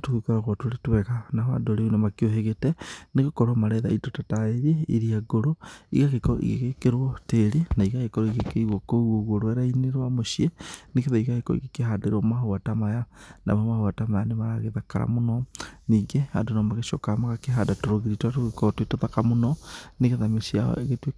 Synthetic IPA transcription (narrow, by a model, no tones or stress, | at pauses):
atukukoɾaɣɔtoɾetwɛkanahoa̰ndoɾeunemakioɦeɣetɛneɣekɔɾɔmaɾɛða̰itotataeɾieiɾiaɡoɾoḭɣaɣekɔ̰ʔḭɣekekeɾwɔteɾenaiɣaɣekɔɾɔiɣekeiɣwokouoɣoɾwɛɾaineɾwamoʃienekeðaiɣakekɔ̰ḭɣekeɦadeɾɔmahoatamajana̰mamahoatamajanemaɾaɣeðakaɾa̰monɔniːɡehadonɔmaɣeʃɔkamaɣakeɦadatoɾoɣiɾitwatoɣekɔtwetoðakamonɔneɣeðameʃiaɔ̰eɣetwe